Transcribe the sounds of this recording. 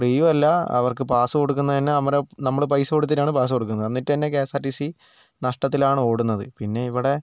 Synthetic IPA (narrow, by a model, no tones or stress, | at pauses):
priːʋɐlːɐɐ̰ʋɐrkɨpaːsɨko̞ɽuk̬ːunːɐt̪ɐnːeɐmɐɾɐnɐmːɐɭp̬ɐjsoːɽut̪̬ːinaːɳɨpaːs̬ɨko̞ɽukːunːɐðɨɐnːitːt̪ɐinːek̬eːsaːʈːisi | nɐʂʈɐt̪ːilaːɳɨo̞ːɽunːɐðɨpinːe̞iʋiɽe̞